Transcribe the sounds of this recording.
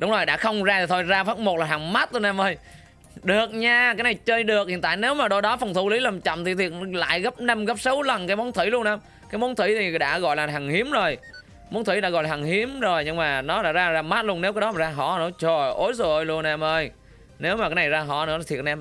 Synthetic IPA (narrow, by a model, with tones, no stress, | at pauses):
ɗʊ˨˦wŋ͡mzo˨˩jɗa̰ː˧˥xə˧wŋ͡mzaː˧i˨˩t̪ʰo˧jzaː˧faː˦˥k̚mo˨˩t̚laː˨˩ɦa˨˩ŋma˦˥t̚t̪o˧nʔɛ˧mʔəː˧j | ɗɨ˨˩ək̚ɲaː˧kaː˨˦jna˨˩jt͡ɕəː˧jɗɨ˨˩ək̚hḭ˧˨nt̪a̰ː˧˨jne˨˦wmaː˨˩ɗo˧jɗɔ˨˦fə˨˩wŋ͡mt̪ʰu˧˩li˨˦laː˨˩mt͡ɕə̰˧˨wmt̪ʰi˨˩t̪ʰi˨˩t̚n˨la̰ː˧˨jɣə˦˥p̚na˧mɣə˦˥p̚sə˨˦wlə˨˩nkaː˨˦jmɔ˨˦nt̪ʰi˧˩˦lu˧ənʔɛ˧m | kaː˨˦jmɔ˨˦nt̪ʰi˧˩˦t̪ʰi˨˩ɗa̰ː˧˥ɣɔ̰˧˨jlaː˨˩ɦaː˨˩ŋhi˨˦əmzo˨˩j | mo˨˦nt̪ʰi˧˩˦ɗa̰ː˧˥ɣɔ̰˧˨jlaː˨˩aː˨˩ŋhi˨˦əmzo˨˩jɲɨ˧ŋmaː˨˩nɔ˨˦la̰ː˧˥zaː˧zaː˧ma˦˥t̚lənːe˨˦wkaː˨˦jɗɔ˨˦maː˨˩zaː˧ɦɔ̰˧˨nɨ̰˧˥ət͡ɕo˨˩ʔo˨˦jzo˨˩jlu˧ənʔɛ˧mʔəː˧j | ne˨˦wmaː˨˩kaː˨˦jna˨˩jzaː˧ɦɔ̰˧˨nɨ̰˧˥la˨˩t̪ʰi˨˩t̚ʔɛ˧m